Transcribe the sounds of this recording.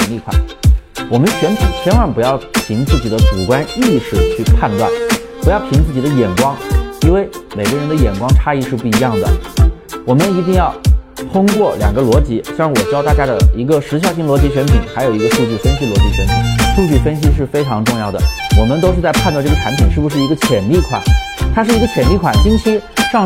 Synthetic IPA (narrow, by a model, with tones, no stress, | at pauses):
ŋli˥˧kʰa̰˥˩˦nwɔ˨˩mə˦nt͡ɕʰɥɛ˧˥nt̪ʰṵ˨˩t͡ɕʰɥɛ˧˥nwa˧˥ŋpu˧˥jɑ˥˩ʊpʰi˧˥ŋt͡sɹ̩˥˩t͡ɕi˨˩d̪ə˦ʈ͡ʂu˨˩kwa˥ni˥˧ʂɻ̩˥˩t͡ɕʰy˥˧pʰa˥˧nt̪wa̰˥˩npu˧˥jɑ˥˩ʊp̪ʰi˧˥ŋt͡sɹ̩˥˩t͡ɕi˨˩d̪ə˦jɛ˨˩nkwɑ˥ŋi˥nwe˥˩ɪme˨˩ɪɡə˦˥ɻə˧˥nd̪ə˧jɛ˨˩nkwɑ˥ŋʈ͡ʂʰa˥i˥˧ʂɻ̩˥˧pu˥˩i˧˥jɑ˥˩ŋd̪ə̰˩˧ | wɔ˨˩mə˦ni˧˥t̪i˥˧ŋjɑ˥˩ʊt̪ʰʊ˥ŋkwɔ˥˩ljɑ̰˨˩ŋɡə˦lwɔ˧˥t͡ɕi˧˥ɕjɑ˥˩ŋwɔ˨˩t͡ɕjɑ˥a˥˧˩t͡ɕja˥ɪd̪ə˩i˧˥ɡə˧ʂɻ̩˧˥ɕjɑ˥ʊɕi˥˩ŋlwɔ˧˥t͡ɕi˧˥ɕɥɛ˧˥npʰi˨˩ŋxa˧˥ɪjo˨˩i˧˥ɡə˧ʂu˥˧t͡ɕy˥˩fə˥nɕi˥lwɔ˧˥t͡ɕi˧˥ɕɥɛ˧˥npʰḭ˨˩˦ŋʂu˥˧t͡ɕy˥˩fə˥nɕ̬i˥ʂ̬ɻ̩˥˩fe˥ɪʈ͡ʂʰɑ˧˥ŋʈ͡ʂʊ˥˧ŋjɑ˥˩ʊd̪ə̰˩wɔ˨˩mə˦nt̪o˥ʊʂɻ̩˧t͡sa˥˧ɪpʰa˥˧t̪ʈ͡ʂɡə˩ʈ͡ʂʰa˧˥npʰi˨˩˦nʂɻ̩˥˩bu˩ʂɻ̩˥˩i˧˥ɡə˧t͡ɕʰjɛ˨˩nli˥˩kʰwa̰˨˩˦n | t̪ʰa˥ʂɻ̩˥˩i˧˥ɡə˧t͡ɕʰjɛ˨˩nli˥˩kʰwa˨˩nt͡ɕi˥ŋt͡ɕʰi˧˥ʂɑ˥˧ŋ